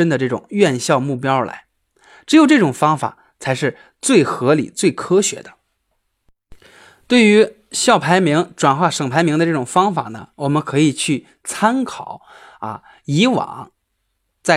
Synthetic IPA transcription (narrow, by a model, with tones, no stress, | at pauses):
ə˥nd̪ə˨ʈ͡ʂɤ˥˩ʈ͡ʂʊ̰˨˩ŋɥɛ˥˧nɕjɑ˥˧ʊmu˥˩pjɑ˥ʊla̰˧˥ɪ | ʈ͡ʂɻ̩˧˥jo˨˩ʊʈ͡ʂɤ˥˩ʈ͡ʂʊ˨˩ŋfɑ˥ŋfa̰˨˩˦ | t͡sʰa˧˥ɪʂɻ̩˥˧ | t͡swe˥˩ɪxɤ˧˥lḭ˨˩˦t͡swe˥˩ɪkʰɤ˥ɕɥɛ̰˧˥d̪ə˧ | t̪we˥˩ɪy˧˥ | ɕjɑ˥˩ʊpʰa˧˥ɪmi˧˥ŋʈ͡ʂwa˨˩nxwa˥˩ʂɤ˨˩ŋpʰa˧˥ɪmi˧˥ŋd̪ə˧ʈ͡ʂɤ˥˩ʈ͡ʂʊ˨˩ŋfɑ˥ŋfa̰˨˩nə̰˩wɔ˨˩mə˦nkʰɤ˧˥i˨˩t͡ɕʰy˥˩ | t͡sʰa˥nkʰɑ˨˩˦ʊ | a̰˧ | i˧˥wɑ̰˨˩˦ŋ | t͡sa˥˩